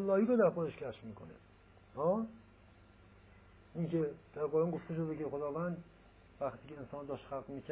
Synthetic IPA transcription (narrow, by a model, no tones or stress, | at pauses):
lːɒːhiːɾod̪æɾpʰɒːeʃcʰæʃmiːkʰone | hɒː | iŋkʰed̪̥æɾɡɒːɾɑnɡoft̪eʃ̬od̪ekexod̪ɒːvænd̪ | væxt̪ʰiːkʰʲeensɒːnod̪ɒːʃt̪xælɡmiːcʰæ